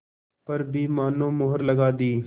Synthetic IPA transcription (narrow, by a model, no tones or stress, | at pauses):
pəɾbiːmaːnõːmʊɦəɾləɡaːd̪iː